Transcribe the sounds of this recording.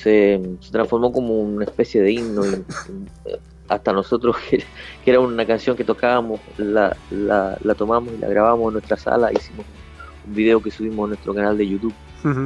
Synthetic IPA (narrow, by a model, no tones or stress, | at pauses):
sese̞t̪ɾaɱfo̞ɾmo̞ko̞mounaespe̞sje̞ðeinno̞ḭ | ast̪ano̞so̞t̪ɾohkekeeɾaosunakansjo̞ŋke̞t̪okaβamo̞sla̰la̰lat̪o̞mamosilʔa̰ɣɾaβamosenːwet̪ɾasa̰laisimo̞s | umbiðe̞o̞kesuβ̞imosanwe̞st̪ɾo̞kanald̪e̞jut̪uβ